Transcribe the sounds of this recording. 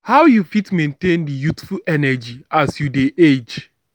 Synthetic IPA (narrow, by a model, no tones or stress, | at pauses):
hawjufitmẽntẽndijutfulɛnɛd͡ʒiʔasjudeʔed͡ʒ